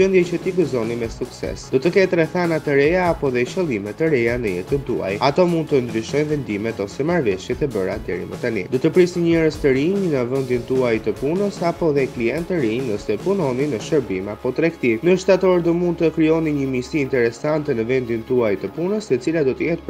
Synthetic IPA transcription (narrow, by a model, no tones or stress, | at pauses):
ənd̪jɛt͡ɕət̪iɡəzɔnimɛsuksɛ̰sd̪̥ɔt̪əkɛt̪ɾɛθanat̪əɾɛjaːpɔðɛʃəlˠimɛt̪ːəɾɛjanəjɛ̰t̪ənt̪ua̰jat̪ɔmund̪̚t̪ənd̪ɾyʃɔjnvɛnd̪imɛt̪ɔsɛmaɾvɛʃjɛt̪ɛbəɾad̪ɛ̰ɾḭmət̪anid̪ɔt̪əpɾisiɲɛɾəst̪əɾiɲnəvənd̪int̪uajt̪əpunəsapɔðɛkliɛnt̪əɾiɲəsɛpunɔninəʃəɾbimapɔt̪ɾɛkt̪ivnəʃt̪at̪ɔɾd̪ɔmund̪̚t̪əkɾiɔniɲəmisiːnt̪ɛɾɛsant̪ɛnəvɛnd̪int̪uajt̪əpunəsɛt͡silad̪ɔt̪əjɛt̪